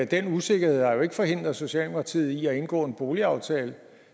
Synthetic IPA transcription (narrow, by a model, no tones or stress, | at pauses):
d̥enuse̝ɡ̥ɐɦhe̝ð̞̰ˠhɑ̈jo̝e̝ɡ̥əfɒ̽ɦe̝n̰d̥ʁɐso̝ɕiɛ̰ːldʰɑt͡sʰið̰̩ˠiæe̝nɡ̥ɔ̰̽ːe̝nb̥o̝ːliɑ̈ʊt͡sʰɛ̰ːlə